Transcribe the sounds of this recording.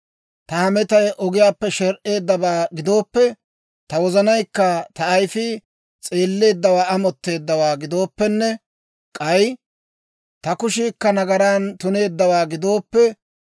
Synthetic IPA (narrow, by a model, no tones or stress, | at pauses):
t̪ɐhɐmɛt̪ɐjʔɔɡɪjaːpːɛʃɛɾʔe̞ːd̪ːɐβaːɡɪd̪o̞ːpːɛ | t̪ɐwɔzɐnɐjkːɐt̪ɐːjfi | t͡sʼe̞ːlːe̞ːd̪ːɐwaːɐmɔt̪ːe̞ːd̪ːɐwaːɡɪd̪o̞ːpːɛnːɛ | kʼɐj | t̪ɐkʊʃɪkːɐnɐɡɐɾaːnt̪ʊne̞ːd̪ːɐwaːɡɪd̪o̞ːpːɛ